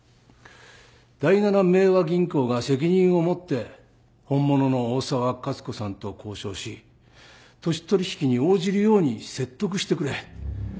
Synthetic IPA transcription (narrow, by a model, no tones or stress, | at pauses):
d̪̥ainaname̞ːβaɡʲĩŋko̞ːɡase̞k̬ʲiɲ̟ĩɰ̃o̞mo̞t̪ːe̞ | hõ̞mːo̞no̞no̞ːsaβakat͡sɨ̥ko̞sãnt̪o̞ko̞ːɕo̞ːɕi | t̪o̞ɕi̥t̪o̞ɾʲiçi̥kʲiɲ̟io̞ːʑiɾɯ̟jo̞ːɲ̟ise̞t̪ːo̞kɯ̟ɕi̥t̪e̞kɯ̟ɾe̞